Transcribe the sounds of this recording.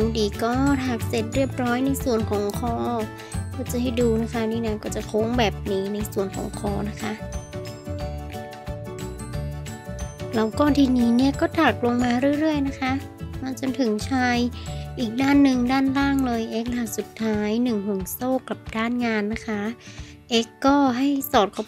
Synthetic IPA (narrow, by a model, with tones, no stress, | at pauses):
ŋdiː˨˩kɔː˥˩t̪ʰaː˨˩k̚se˨˩t̪̚ɾi˥˩əp̚ɾɔː˦˥jna˧jsu˨˩ənkʰɔː˨˩˦ŋkʰɔː˧˩ | kɔː˥˩t͡ɕa˨˩˦ha˥˩jduː˧na˦˥kʰa˦˥niː˧˩˨na˧˩jkɔː˥˩t͡ɕa˨˩kʰo˦˥ŋbɛː˨˩p̚niː˦˥na˧jsu˨˩ənkʰɔ̰ː˩˦ŋkʰɔː˧˩na˦˥kʰa˦˥ʔ | la˦˥wkɔː˧˩nt̪ʰiː˧niː˦˥ni˥˩ɐkɔː˥˩t̪ʰaː˨˩k̚lo˧ŋmaː˧ɾɯ˥˩ə˨ɾɯ˥˩əjna˦˥kʰa˦˥ʔ | maː˧t͡ɕo˧nt̪ʰɯ˨˩˦ŋt͡ɕʰaː˧jʔiː˨˩k̚daː˥˩nːɯ˨˩ŋdaː˥˩nlaː˥˩ŋlɤː˧jʔe˦˥k̚la˧˩su˨˩t̪ʰːaː˦˥jnɯ˨˩ŋɦu˨˩ŋsoː˥˩kla˨˩p̚daː˥˩nŋaː˧nːa˦˥kʰa˦˥ | ʔe˦˥kːɔː˥˩ɦa˥˩jsɔː˨˩t̪̚kʰɔ˧˩